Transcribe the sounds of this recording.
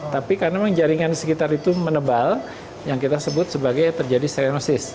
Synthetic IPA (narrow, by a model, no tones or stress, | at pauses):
t̪apikarnaməŋd͡ʒaɾiŋansəkit̪aɾit̪umənəbal | jaŋkit̪asəbʊt̪̚səbaɡajt̪ərd͡ʒadist̪aɾanosɪs